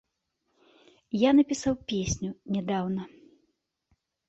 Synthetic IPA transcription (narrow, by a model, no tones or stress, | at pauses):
janɐpʲisawpʲesʲnʲunʲɛd̪awnɐ